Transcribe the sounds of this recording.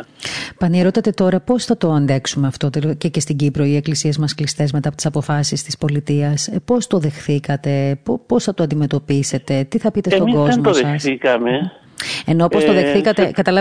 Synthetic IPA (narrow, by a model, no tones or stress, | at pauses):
pɐnieɾo̞t̪ɐt̪e̞t̪o̞ɾɐpo̞sθɐt̪o̞ɐnd̪e̞ksumeɐft̪o̞t̪elcece̞st̪iɟipɾo̞ie̞klisiezmɐsklist̪e̞zme̞t̪ɐpot̪isɐpo̞fɐsist̪ispo̞lit̪iɐspo̞st̪o̞ðe̞xθikɐt̪e̞ppo̞sθɐt̪oɐnd̪ime̞t̪o̞pise̞t̪e̞t̪iθɐpit̪esst̪oiɡo̞zmt̪osðeɐsθikɐme | enoposoðexθikɐt̪ekɐt̪ɐlɐ